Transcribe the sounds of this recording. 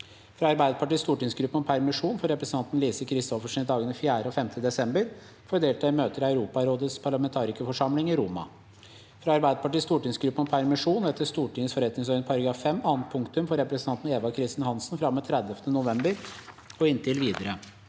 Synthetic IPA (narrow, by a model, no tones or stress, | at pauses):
fɾɑɑɾbæɪd̪əpʰɑʈiːst̪uːʈɪŋsɡɾʉpːən̩ɔpʰæɾmɪʂuːnfɔɾɛpɾəsn̩ɑnt̪n̩liːsəkʰɾɪst̪ɔfəʂɪnd̪ɑːɡənəfjæːɾəɔfɛmt̪ʰəd̪ɛsɛmbəɾ | fɔd̪eːlt̪æɾmøːt̪əɾɑʉɾuːpɑɾoːd̪ət̪spʰɑɾɭɑmɛnt̪ʰɑːɾɪkəfɔʂɑmlɪŋɪɾʊmɑ̰ | fɾɑɑɾbæɪd̪əpɑʈiːst̪uːʈɪŋsɡɾʉpːənɔpʰæɾmɪʂuːnɛt̪ːəst̪uːʈɪŋəsfɔɾɛt̪nɪŋsœʏnəpʰɑɾɡəɑfɛmɑːnt̪̚pʰʊŋkt̪ʉmfɔɾɛpɾəsənɑnt̪n̩eːʋɑkʰɾɪst̪ɪnhɑnsnfɾɑmːət̪ʰɾɛd̪əft̪ənʊʋɛmbəɾ | ɔɪnt̪ʰɪlʋiːd̪əɾə